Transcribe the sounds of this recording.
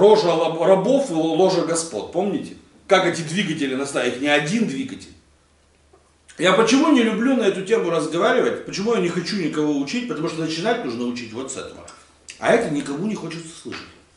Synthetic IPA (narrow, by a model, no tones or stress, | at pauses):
roʐəɐrɐbo̞fɨlˠo̞ʐəɡɐspo̞̰t̪̚po̞mnʲɪtʲɪ | kakɛtʲɪd̪vʲiɡətʲɪlʲɪnɐst̪avʲɪtʲnʲɪɐdʲind̪vʲiɡətʲɪ̰lʲ | japət͡ɕɪmunʲɪlʲʊblʲunɐɛt̪ʊtʲe̞mʊɾəzɡɐvaɾʲɪvətʲpət͡ɕɪmujanʲɪxɐt͡ɕunʲɪkɐvo̞ʊt͡ɕitʲpət̪ɐmuʂt̪onət͡ɕɪnatʲnuʐnəʊt͡ɕitʲvo̞t̪sɛ̰t̪əvə̰ | ɐ̰ɛt̪ənʲɪkɐmunʲɪxo̞t͡ɕɪt̪sə̥slˠɨ̰ʂɨt̚ʲ